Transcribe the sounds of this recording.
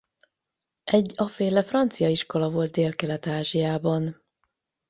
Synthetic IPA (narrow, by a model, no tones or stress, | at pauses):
ʔɛɟːɒfeːlɛfrɒnt̪sijɒiʃko̞lɒvo̞lt̪̚d̪eːlkɛlɛt̪aːʒijaːbɒn